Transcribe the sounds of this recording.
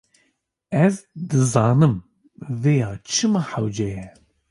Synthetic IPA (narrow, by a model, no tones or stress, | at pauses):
ɛzd̪ɨzɑːnɨm | vejɑːt͡ʃʰɨmɨħawd͡ʒɛjɛ